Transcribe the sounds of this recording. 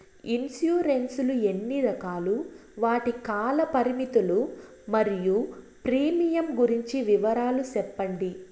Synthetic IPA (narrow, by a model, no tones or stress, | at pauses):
insjuːɾensulue̞nːiɾɐkaːluʋaːʈikaːlɐpɐɾimit̪ulu | mɐɾiju | pɾiːmijɐmɡuɾiɲt͡ʃiʋiʋɐɾaːlusɛpːɐɳɖi